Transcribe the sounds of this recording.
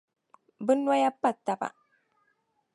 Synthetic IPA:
bɨ˦nwa˦ja˦pːa˦˨t̪ːa˨pa̰˨

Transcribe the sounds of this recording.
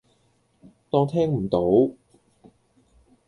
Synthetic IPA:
t̪ɔː˧ŋt̪ʰɛː˥ŋm̩˨˩t̪o˨˥w

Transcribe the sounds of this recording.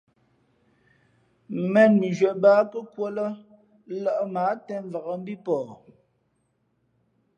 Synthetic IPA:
mɛ˦˨n̚mi˨d͡ʒɥɛ˨baː˦kə˦kwo˦lə˦ | la˦˨ʔmaː˨˦tɛ˦ɱ˦va˨ɣə˨m̩˦bi˦pɔː˨

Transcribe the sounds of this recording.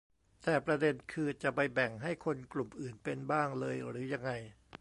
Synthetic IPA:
t̪ɛː˨˩pɾa˧de˧nkʰɯː˧t͡ɕa˨˩pa˧jbɛ˨˩ŋɦa˥˩jkʰo˧nklu˨˩mʔɯː˨˩npe˧nbaː˥˩ŋlɤː˧jɾɯː˩˦ja˧ŋːa˧j

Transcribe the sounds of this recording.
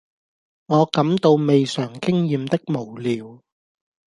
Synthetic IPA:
ŋɔː˨˧kɐ˨˥mt̪o˧wme˨jsœː˨˩ŋkɪ˥ŋjiː˨˧mt̪ɪ˥k̚mo˨˩wliː˨˧w

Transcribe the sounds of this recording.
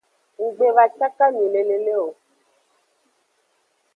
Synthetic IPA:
ŋu˨ɡ͡be˨va˨t͡ʃa˦ka˦mĩ˨le˨le˨le˦o˨

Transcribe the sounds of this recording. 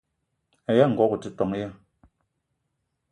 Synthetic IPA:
a˨ja˦˨ŋ̩˨ɡɔ˦ku˨ti˦tɔ˨ŋ˦ja˦

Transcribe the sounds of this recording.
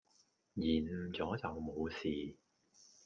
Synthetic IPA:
jiː˨˩nm̩˨˩t͡sɔː˨˥t͡sɐ˨wmo˨˧wsiː˨

